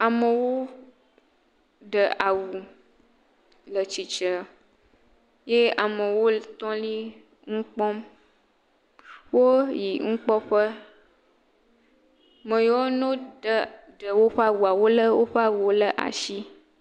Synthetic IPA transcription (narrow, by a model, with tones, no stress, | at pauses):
a˨mə˨wo˦ | ɖə˨ʔa˨wu˨ | lə˨t͡ʃi˨t͡ʃə˨ | je˦a˨mə˨wo˦t̪ɔ̃˦li˦ | ŋ̩˦k͡pɔ˦m | wo˦ji˨ŋ̩˦k͡pɔ˦ɸə˦ | mə̃˨jo˦wo˦nõ˦də˦ɖə˨wo˦ɸə˦a˦wu˨a˨wo˦lə˦wo˦ɸə˦a˦wu˨wo˦lə˦ʔa̰˨ʃi˦